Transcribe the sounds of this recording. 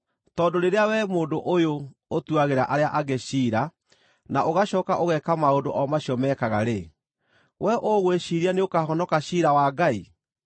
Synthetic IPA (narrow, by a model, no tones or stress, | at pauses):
tɔdoɾeɾeawɛmoːndoʔojo | otuaɣeɾaʔaɾeaʔaɣeɕiːɾa | naʔoɣaɕɔːkaʔoɣɛkamaondoʔɔmaɕiɔmɛːkaɣaɾe | wɛʔoɣweɕiɾianeokahɔnɔkaɕiɾawaːɡai